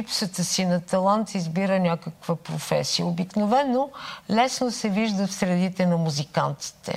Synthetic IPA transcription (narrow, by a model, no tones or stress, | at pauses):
ipsət̪əsinɐt̪ɐlˠant̪izbiɾənʲakəkvəpɾofɛ̰sijəobiknovɛnːolɛsnosɛviʒd̪əfsɾɛd̪it̪ɛnɐmuzika̰nt̪i̥t̪ɛ̰